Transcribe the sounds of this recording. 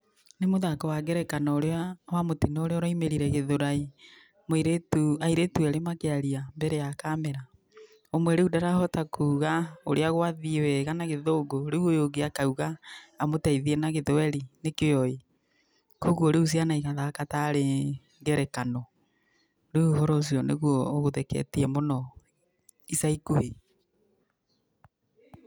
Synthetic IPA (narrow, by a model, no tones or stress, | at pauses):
nemoðakɔwaɡɛɾɛkanɔoɾeawamotinɔoɾeɔɾɔimeɾiɾɛɣeðoɾai | moiɾetuaiɾetuɛɾemakeaɾiambɛɾejakamɛɾa | omwɛɾeudaɾahɔtakʰuɣaoɾeaɣwaðiwɛɣanaɣeðoːɡoɾeuojoɡeakauɣaːmotaiðiɛnaɣeðwɛɾinekejɔi | koɣwoɾeus̬ianaiɣaðaːkataɾe | ŋɡɛɾɛkanɔ | ɾeuɦɔɾɔs̬iɔneɣuɔɣoðɛkɛ̰tiɛmonɔ | isaikoe